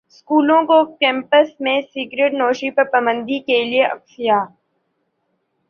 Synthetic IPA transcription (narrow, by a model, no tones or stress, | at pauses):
skuːlõkokɛ̃ːmpəsmẽsiːɡɾeʈnoːʃipɐɾpɐbə̃nd̪ʱikelieʔɐ̰ksijaː